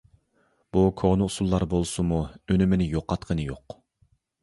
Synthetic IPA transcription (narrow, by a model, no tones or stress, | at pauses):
b̥ukʰoʁnɨusulˠːɑɾbolˠsumuønymɪnɪjoqːɑt̪qʰənɨjoq